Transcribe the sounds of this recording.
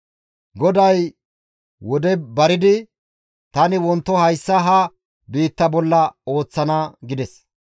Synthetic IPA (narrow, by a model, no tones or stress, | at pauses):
ɡɔd̪ɐj | wɔd̪ɛbɐɾɪd̪ɪ | t̪ɐnɪwɔnt̪ːɔhɐjsːɐɦɐ | biːt̪ːɐbɔlːɐo̞ːt͡sːɐnaɡɪd̪ɛs